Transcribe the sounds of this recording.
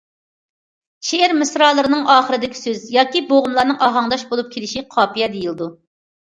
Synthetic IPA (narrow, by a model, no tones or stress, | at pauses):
ʃeæɾmɨsɾɑːlˠəɾɨnɨŋʔɑːχəɾɨd̪ɪkʲi̥søzjɑːkʲiboʁʊmlˠɑɾnɨŋʔɑɦɑŋd̪ɑʃbolˠup̚kʲʰelɪʃiqʰɑːpijɛd̪ejilˠɨd̪u